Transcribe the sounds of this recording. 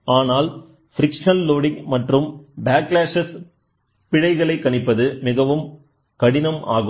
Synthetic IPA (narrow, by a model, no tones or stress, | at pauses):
aːnaːl | fɪɾɪkʂɐnloːɽɪŋmɐʈrɯmbaːklaːʂɐs | pɪɻɐɪɣɐɭɐɪkːɐnɪpːɐðɯmɪɣɐʋɯm | kɐɽɪnɐmaːɣɯ